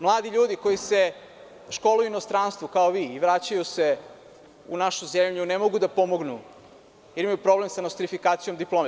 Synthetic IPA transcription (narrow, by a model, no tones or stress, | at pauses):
mlˠaːd̪iʎuːd̪iko̞jise̞ | ʃkolˠujuinost̪ɾaːnst̪ʋukaoʋiːʋɾat͡ɕajuse̞ | unaʃuzemʎunemo̞ɡud̪apo̞moɡnu | jeɾimajupɾo̞blemsanost̪ɾifikaːt̪sijomd̪iplˠoːm